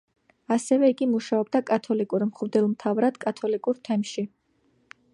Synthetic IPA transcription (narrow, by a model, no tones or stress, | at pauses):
asɛvɛiɡimuʃaɔb̚d̪akʼat̪ʰɔlikʼuɾmχvd̪ɛlˠmt̪ʰavɾad̪̥kʼat̪ʰɔlikʼuɾt̪ʰɛmʃi